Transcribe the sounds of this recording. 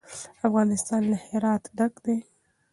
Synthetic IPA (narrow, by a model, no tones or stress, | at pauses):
afɣɑnɪst̪ɑnlaheɾɑt̪ɖakd̪e